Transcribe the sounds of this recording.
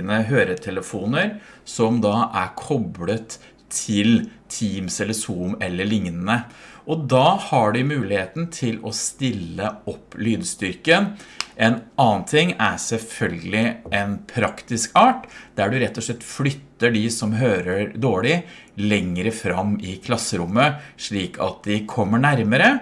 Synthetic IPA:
nəɦøːɾət̪ʰɛləfuːnəɾsɔmd̪ɑʔæɾkʰɔblət̪ʰː | ɪlt̪ʰiːmsɛlːəsuːmɛlːəɭɪŋnənəʔɔd̪ɑːhɑɖɪmʉːlɪheːt̪n̩t̪ʰɪlɔst̪ɪlːəɔpːlyːd̪st̪ʏɾkənʔɛnɑːnt̪ʰɪŋːæɾsɛlfœlɡəlɪɛnpʰɾɑkt̪ɪskɑːʈd̪̥æɖʉɾɛt̪ːɔʂɭɛt̪ːflʏt̪ːəɖɪsɔmɦøːɾəɾd̪oːɭɪ | lɛŋːɾəfɾɑmɪkʰlɑsːəɾʊmːəʂɭiːkʰɑ̰t̪̚d̪ɪkʰɔmːəɳæɾməɾə

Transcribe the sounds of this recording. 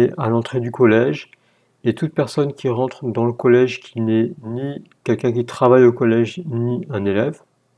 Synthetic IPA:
eʔalɑ̃t̪χed̪ykɔlɛʒ | et̪ut̪̚pɛʁsɔnkʲiʁɑ̃t̪χd̪ɑ̃ləkɔlɛʒkʲʰinɛni | kʲɛlkʲɛ̃kʲit̪χavajokɔlɛʒniɛ̃nelɛv

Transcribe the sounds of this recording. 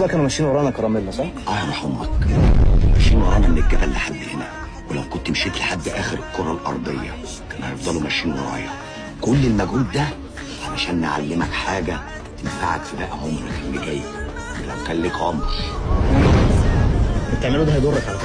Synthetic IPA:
bækæːnumæʃːiːnweɾˤɑːnækɑɾˤɑmelːæsˤɑħʔæjɑɾˤɑħomːɑk | mæʃiːnwɑɾˤɑːjnɑmenelːæbælːiħad̪ːhenæ | welæwkont̪mʃeːt̪leħad̪ːʔæːxeɾelkːoɾˤɑlʔɑ̰ɾˤd̪ˤejːɑ̰ | ʔænæhæjefd̪ˤɑlumæʃːiːnwḛɾˤɑ̰ːjɑ | kolːelmæɡhuːd̪̚d̪æ | ʕalæʃæːnːeʕa̰lːemækħaːɡæ | t̪emfaʕad̪fæbæʔæhomɾexælːiɡæjː | elæwkæːnlekʕomɾ | et̪ːeʕmelud̪æhæɑjd̪orˤːɑkʕalæ

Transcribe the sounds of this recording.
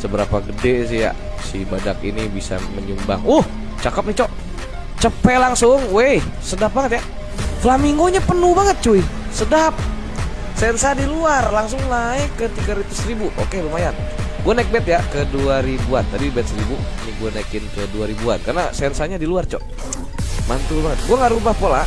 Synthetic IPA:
səbəɾapaɡədesija̰ʔsibadakḭnibisa̰məɲumba̰ŋʊh | t͡ʃakəp̚nit͡ʃɔʔ | t͡ʃəpɛlaŋsʊŋwe | sədap̚baŋət̪̚ja | flamiŋɡoɲapənubaŋət̪̚t͡ʃuisədap̚ | sɛnsadiluarlaŋs̬ʊŋlaɪkːət̪iɡaɾut̪ʊsribuʔo̰kelumajanɡuanaik̚bɛt̪̚jakəduaɾibuant̪adibɛt̪̚səɾibuiniɡuanaikɪnkəduaɾibua̰nkarna̰sɛnsaɲadiluart͡ʃɔʔ | mant̪ubaŋət̪̚ɡuaŋaɾubahpola

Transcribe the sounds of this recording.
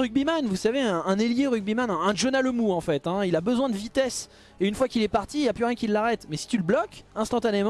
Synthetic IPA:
ʁyɡ̚bimanvusaveɛ̃ʔːneljeʁyɡ̚bimanɛ̃ɛ̃ʒɔnaləmuɑ̃fɛt̪ɛ̃ilabəzwɛ̃d̪əvit̪ɛs | eynfwakilɛpaʁt̪iːljaplyʁjɛ̃kʲilːaʁɛt̪mɛsi̥t̪yləblɔkɛ̃st̪ɑ̃t̪anemɑ̃

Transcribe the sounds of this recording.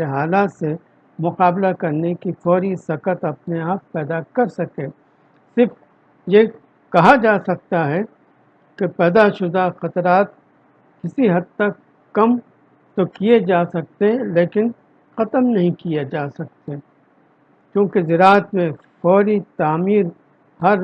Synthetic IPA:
eɦaːlaːt̪se | mʊqaːblakɐɾnekifɔːɾisɐkət̪ɐpneaːp̚pɛːd̪akɐɾsɐkẽː | sɪɾf | je | kɐɦad͡ʒaːsɐk̚t̪aɦɛ | kepɛːd̪aʃʊd̪axɐt̪ɾaːt̪̚ | kɪsiɦɐd̪̚t̪ɐkː | ɐm | t̪okied͡ʒaːsɐk̚t̪eɦɛ̃leːkɪn | xɐt̪əmnɐɦĩkijed͡ʒaːsɐk̚t̪e | kjõːkezɪɾaːət̪mẽ | fɔːɾit̪aːmiːɾ | hɐɾ

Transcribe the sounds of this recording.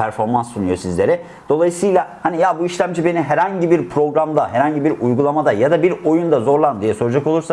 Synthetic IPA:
pʰæɾfo̞ɾmansːunujo̞sizlʲe̞ɾɛ | d̪̥o̞lˠajɯsɯjlˠahanijabuiʃlʲæmd͡ʒibe̞niɦɛɾhaɲɟibiɾpʰɾo̞ɡɾamd̪aɦɛɾhaɲɟibiɾujɡulˠamad̪ajad̪abiɾo̞jund̪azo̞ɾlˠanɯmd̪ijɛso̞ɾud͡ʒakolˠuɾsa

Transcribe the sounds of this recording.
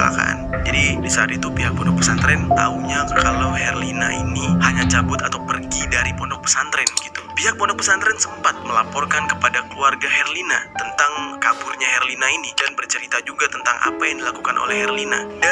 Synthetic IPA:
la̰ka̰ʔa̰nd͡ʒadidisaaɾit̪upiɦak̚pɔndɔk̚pəsant̪ɾɛnt̪auɲakalawɦɛrlina̰ʔḭnihaɲat͡ʃabʊt̪at̪awpərɡidaɾipɔndɔk̚pə̥sant̪ɾɛnɡit̪u̥piɦak̚pɔndɔk̚pəsant̪ɾɛnsəmpat̪̚məlapɔrkankəpadakəluarɡahɛrlinat̪ənt̪aŋkapʊrɲaɦɛrlinainidanbərt͡ʃəɾit̪ad͡ʒuɡat̪ənt̪aŋʔa̰pajaŋdilakukanʔo̰lɛhɛrlina̰da

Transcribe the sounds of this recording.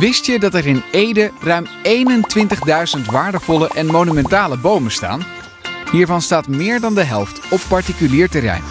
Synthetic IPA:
ʋɪstjədɑtɛrɪnejdərœɥmejnəntʋɪntəχdœɥzəntʋaːɹdəvɔləʔɛnmonymɛntaːləbowməsta̰ːn | ɦiːɹvɑnstaːtmɪːɹdɑndəɦɛlˠftɔpːɑɹtikyliːɹtɛrɛ̰jn

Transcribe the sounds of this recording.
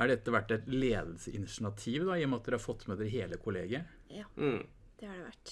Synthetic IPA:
æɖɛt̪ːəʋæʈːɛɪt̪leːd̪l̩səʔɪnɪʂɪnɑt̪ʰiːʋd̪ɑiːɔmɑt̪̚d̪ɛhɑɾfɔt̪ːmɛd̪ɛɦeːləkʰʊleːɡɪəɾ | d̪̥ɛhɑɖɛʋæ̰ʈː

